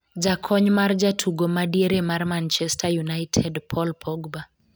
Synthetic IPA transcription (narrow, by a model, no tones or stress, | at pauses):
d͡ʒakʰɔɲmard͡ʒatʰuɡomadieɾemarmant͡ʃɛstʰajunajtʰɛdpʰɔlpʰɔɡba